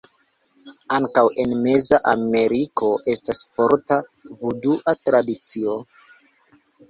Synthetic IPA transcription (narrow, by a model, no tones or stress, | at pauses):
aŋkawe̞nme̞zaʔame̞ɾikʰo̞ʔe̞stasfo̞ɾtavuduʔatɾadit͡sio̞